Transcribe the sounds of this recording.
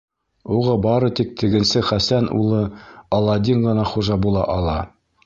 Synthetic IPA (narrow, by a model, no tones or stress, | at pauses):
uʁɑbɑɾɤt̪ik̚t̪ʰɘ̆ɡɘ̆nsɘχæsænṵlˠɤɑlˠɑd̪ʲiŋʁɤ̆nɑχuʒɑbulˠɑʔɑlˠɑ